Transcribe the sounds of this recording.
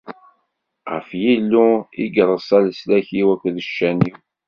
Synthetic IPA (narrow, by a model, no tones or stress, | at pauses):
ʁə̰fjilːuiɡɾˤəsˤælslæçiwækʷːðəʃːæniw